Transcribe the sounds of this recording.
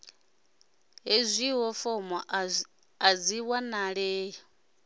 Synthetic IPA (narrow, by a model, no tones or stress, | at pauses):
ɦezʷiɦɔfɔmɔ | ad͡ziwanaɺɛːɦɔ